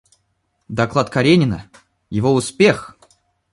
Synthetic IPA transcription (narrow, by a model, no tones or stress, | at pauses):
d̪ɐklˠat̪kɐɾʲenʲɪnə̰ | jɪvoʊspʲex